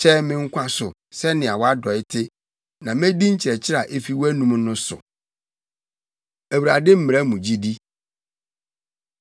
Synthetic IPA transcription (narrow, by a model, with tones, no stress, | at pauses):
t͡ɕʰɛ˦mɪ̃˦ŋ̩˦kʷʰã˦sʊ˨ | sɛ˦nɪ̃˨a˨wɔ˦a˦dɔ˨ɪ˦tʰɪ˦ | nã˨mẽ˦di˦ɲ̩˦t͡ɕʰɪ˨ɾɛ˨t͡ɕʰɪ˦ɾa˨ʔe˦fi˦wæ˦nũ˦m˦nʊ̃˦sʊ̰˨ | æ˨wu˨ɾa˨dɪ˦m̩˦m˨ɾɛ˦mũ˨d͡ʑi˦di˦